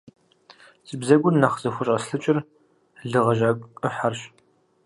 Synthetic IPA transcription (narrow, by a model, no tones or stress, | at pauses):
t͡sʼɨbzɐɡʷʊnːɐχz̥ɐxʷʊɕʼɐsɬɨt͡ʃʼɪr | ɮɨʁɐʒaːkʷʼɨħarɕ